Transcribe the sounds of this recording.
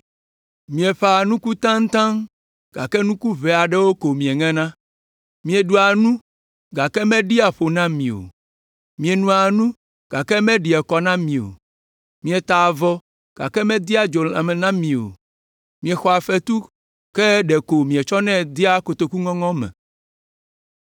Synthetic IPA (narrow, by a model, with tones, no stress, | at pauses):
mĩ˨ɛ˨ɸa˨nũ˦ku˦t̪ã˦ŋ̩˦t̪ã˦ŋ | ɡ̥a̰˨kɛ˦nũ˦ku˦βɛ˨a˨ɖɛ˦wo˦ko˨mĩ˨e˨ŋɛ̃˦nã˦ | mĩ˨e˨ɖu˦a˨nũ˦ | ɡa˨kɛ˦mɛ̃˦ɖi˦a˨ɸo˨nã˦mĩ˨o̰˨ | mĩ˨e˨nũ˨a˨nũ˦ | ɡ̥a˨kɛ˦mɛ̃˦ɖi˨ɛ˨kɔ˨nã˦mĩ˨o̰˨ | mĩ˨ɛ˨t̪a˨vɔ˦ | ɡ̥a̰˨kɛ˦mɛ̃˦d̪i˦a˦˨d͡ʒo˨a˨mɛ˨nã˦mĩ˨o̰˨ | mĩ˨ɛ˨xɔ˨a˨ɸɛ˦t̪u˦ | kɛ˦ɖɛ˨ko˨mĩ˨ɛ˨t͡ʃɔ˦nɛ̃˦d̪i˦a˦ko˨t̪o˨ku˦ŋɔ̃˦ŋɔ̃˦mɛ̰̃˨